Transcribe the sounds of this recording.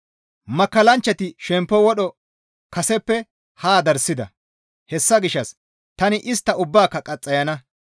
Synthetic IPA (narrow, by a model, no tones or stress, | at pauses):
mɐkːɐlɐnt͡ʃːɐt̪ɪʃɛmpːɔwɔɗɔ | kɐsɛpːɛ | haːd̪ɐɾsːɪd̪ɐ̰ | hɛsːɐɡɪʃːɐs | t̪ɐnɪʔɪst̪ːɐʊbːaːkːɐkʼɐt͡sʼːɐjɐnɐ